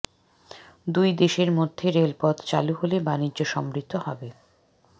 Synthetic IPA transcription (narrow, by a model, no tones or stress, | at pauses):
d̪ujd̪eʃeɾmod̪ʱːeɾelpɔd̪t͡ɕa̰luɦolebanid͡ʑʑoʃɔmɾit̪ʰːohɔbe